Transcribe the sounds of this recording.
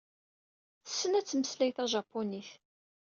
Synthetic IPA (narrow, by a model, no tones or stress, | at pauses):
sːənæt͡sːməslæjθæʒɑpːoniθ